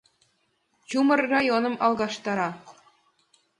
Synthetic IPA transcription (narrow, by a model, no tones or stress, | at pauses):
t͡ɕumərːɑjonə̆mʔɑlˠɣɑʃt̪ɑɾɑ